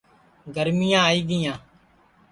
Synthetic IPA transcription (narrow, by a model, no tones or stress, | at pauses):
ɡəɾmɪjãːiːɡɪjãː